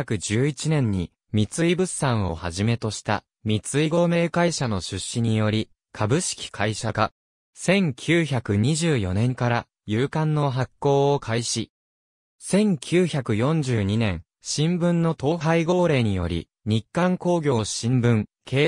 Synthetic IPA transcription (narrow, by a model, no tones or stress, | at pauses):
akɯ̟d͡ʑɨːit͡ɕinẽ̞ɲ̟ɲːḭ | mʲit͡sɨibɯ̟sãɰ̃o̞̰haʑime̞t̪o̞ɕi̥t̪a̰ | mʲit͡sɨiɡo̞me̞ːkaiɕano̞ɕɨɕːiɲ̟ijo̞ɾʲi | kʰabɯ̟ɕi̥kʲi̥kʰaiɕaka | sẽ̞ŋkʲʰɨːçakɯ̟ɲ̟iʑɨːjo̞̰nẽ̞ŋkaɾa | jɯːkãnːo̞ɦakːo̞ːokʰaiɕi | sẽ̞ŋkʲʰɨːçakɯ̟jõ̞ɲ̟d͡ʑɨːɲ̟inẽ̞ɰ | ɕĩmbɯ̟̃nːo̞t̪o̞ːhaiɡo̞ːɾe̞ːɲ̟ijo̞̰ɾʲḭ | ɲ̟ikːãŋko̞ːɡʲo̞ːɕĩmbɯ̟̃ŋkʰeː